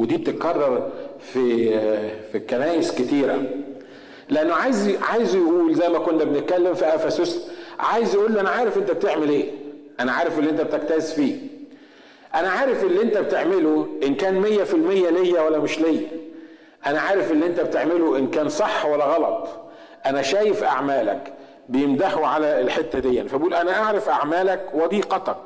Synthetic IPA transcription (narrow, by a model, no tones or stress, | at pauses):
wed̪iːb̚t̪et̪̚kɑrˤːɑɾˤfi | fikːænæːjesket̪iːɾæ̰ | leʔænːoʕaːjzʕaːjezjʔuːlzæjːmækonːbenet̪̚kælːemfiʔæfæsosʕaːjezæʔuːlːiʔænæʕaːɾefʔent̪æbet̪eʕmelʔeːʔænæʕaːɾefʔelːiʔent̪æbet̪æk̚t̪æsfiː | ʔænæʕaːɾɪfʔelːiʔent̪æbet̪eʕmeloʔenkæːnmejːæfilmejːælejːæwælːæmeʃlejːæ̰ | ʔænæʕaːɾefʔelːiʔent̪æbt̪eʕmeloʔenkæːnsˤɑħːwælːæɣɑlɑt̪ˤ | ʔænæʃæːjefʔa̰ʕmæːlæ̰k | bejemd̪aħuʕalælħet̪ːæd̪ejːæ̰nfæbʔuːlʔænæʔaʕɾɑfʔaʕmæːlækwɑd̪iːqɑt̪ɑk